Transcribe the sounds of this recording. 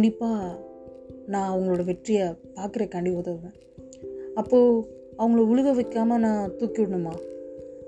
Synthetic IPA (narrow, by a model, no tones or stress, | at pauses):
ɳɖɪpːaː | nãːɐʋɐŋɡɐɭoːɽɐʋɛʈrɪjɐpaːɾkɯɾeːkɐɳɖɪoːt̪ɐʋʋẽː | ɐpːoː | ɐʋɐŋɡɐɭoʊɭɯɣɐʋɐkːaːmɐnãːt̪uːkːɪʋɪɽɐɳːɯmaː